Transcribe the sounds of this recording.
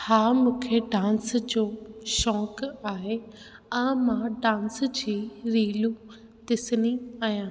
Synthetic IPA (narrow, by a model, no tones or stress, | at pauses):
haːmũːkʰeɖãːnsd͡ʑoːʃɔːkaːɦe | ãːmãɖãːnsd͡ʑiːɾiːlu | t̪ɪsɪniaːjãː